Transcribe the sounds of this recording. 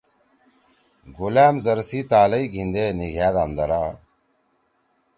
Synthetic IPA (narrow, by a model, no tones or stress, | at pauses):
ɡulæːmzɐɾsiːt̪aːlɐiɡʱind̪eːniɡʱaːd̪amd̪ɐɾaː